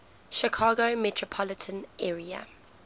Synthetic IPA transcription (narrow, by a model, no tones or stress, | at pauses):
ʃɪkʰɑːɡomɛtʰɹopʰɔlɪtʰə̃nʔɛːɹiə̰